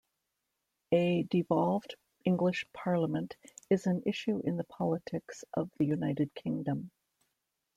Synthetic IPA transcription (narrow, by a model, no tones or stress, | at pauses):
ɨdɨvɑlˠvd | ɪ̃ŋɡlɨʃpʰɑɹləmɨ̃ntɨzɨ̃nɪʃʉʔɨ̃nðəpʰɑlˠətʰɪksʔʌvðɨjʉnaɪɾɨd̚kʰɪ̃ŋdɨ̃m